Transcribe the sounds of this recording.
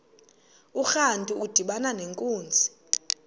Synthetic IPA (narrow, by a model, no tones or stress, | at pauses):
uxantʼuud̥ʱiɓananeŋkʼuːnd͡zʱi